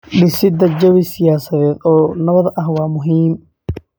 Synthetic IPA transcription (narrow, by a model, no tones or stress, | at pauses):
ɖɪsɪd̪ɐd͡ʒɐwɪsɪjaːsɐðɛːd̪ɔːnɐβɐðʔɐhwɑːmʊɦiːm